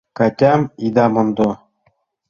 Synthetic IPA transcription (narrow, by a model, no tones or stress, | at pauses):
kɑtʲɑmid̪ɑmɤ̆nd̪o